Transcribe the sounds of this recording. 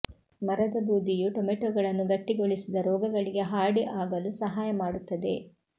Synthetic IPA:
mɐɾɐd̪ɐbuːd̪ijuʈomeʈɔːɡɐɭɐnːuɡɐʈːiɡoɭisid̪ɐɾɔːɡɐɡɐɭiɡe̞ɦaːɽiʔaːɡɐlusɐɦaːjɐmaːɽut̪ːɐd̪e̞̰

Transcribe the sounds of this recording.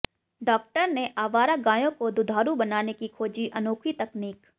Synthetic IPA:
ɖɔːk̚ʈəɾneʔaːʋaːɾaɡaːjõkod̪ʊd̪ʱaːɾubɐnaːnekikʰoːd͡ʒiʔɐnoːkʰit̪ɐkniːk

